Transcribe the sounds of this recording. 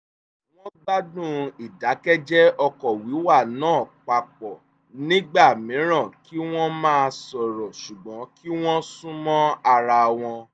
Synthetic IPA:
w̃ɔ̃˦ɡ͡ba˦dũ˦˨i˨da˨˦kɛ˦d͡ʒɛ˦ɔ˧kɔ˨wi˨˦wa˦˨nãː˦˨k͡pa˨k͡pɔ˨ | nĩ˦ɡ͡ba˦˨mĩ˨˦ɾ̃ã˦˨ki˦w̃ɔ̃˦mãː˦˧sɔ˨ɾɔ˨ʃu˨ɡ͡bɔ̃˨˦ki˦w̃ɔ̃˦sũ˦mɔ̃˦a˧ɾa˧w̃ɔ̃˧

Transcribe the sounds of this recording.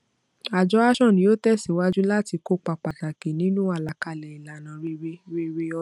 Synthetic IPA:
a˨d͡ʒɔ˨˦a˦ʃɔ̃˦˨nĩ˨jo˦tɛ˦˨si˨wa˦d͡ʒu˦la˦ti˧ko˦k͡pa˨k͡pa˨kã˨ke˨nĩ˦nũ˦a˦˨la˨ka˧˨lɛ˨i˨la˨nã˨ɾe˧ɾe˦ɾe˦ɾe˧ɔ˧˦

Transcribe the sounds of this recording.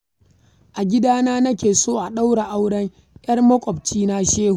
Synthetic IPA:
ʔa˨ɡʲɪ˦daː˦naː˦nɐ˦kʲeː˨soː˦ʔa˨ɗa˦wɽe˨ʔa˦wɽɐ˦ŋ | jɐ˦rmɐ˦kʷʼɔ˨b̚t͡ʃiː˦na˦ʃeː˦hu˨

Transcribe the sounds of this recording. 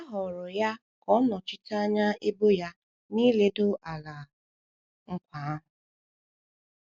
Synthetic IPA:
ɦɔ˨ɾʊ˨ja˦ | kɔ˦nɔ˨t͡ʃi˦ta˦ɲa˦e˦bo˦ja˦ | ni˦le˦do˦ʔa˨la˨ | ŋ̩˦kʷa˨˦

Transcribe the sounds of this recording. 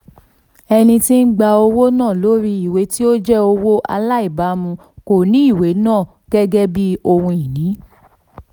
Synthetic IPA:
ɛ˧nĩ˧ti˦n̩˦ɡ͡ba˧o˧wo˦nãː˦˨lo˨˦ɾi˧i˨we˨˦ti˦o˦d͡ʒɛ˦o˧wo˦ʔa̰˧la˦i˦˨ba˨˦mũ˧ | ko˨nĩ˨˦i˦˨we˨˦nãː˦˨ | ɡ̥ɛ˦ɡɛ˦bi˦o˧hũ˧i˨nĩ˨˦

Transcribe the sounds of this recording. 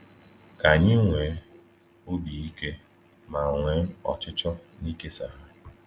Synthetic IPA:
ka˨ɲɪ˦ŋʷe˨˦ | o˦bi˨i˦ke˦ | ma˨ŋʷe˨˦ɔ̰˨t͡ʃɪ˦t͡ʃɔ˦ni˦ke˦sa˨ɦa˦

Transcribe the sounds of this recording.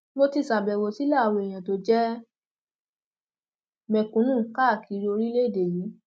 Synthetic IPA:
mo˦ti˧˨sa˨bɛ˨wo˨si˦la˦˨wo˧˨e˨j̃ã˨to˧˦d͡ʒɛ˦ | mɛ̃˨˧kũ˨˦nũ˦˨ka˦˨ki˨˦˧ɾi˧o˧ɾi˦le˦˨de˨ji˨˦

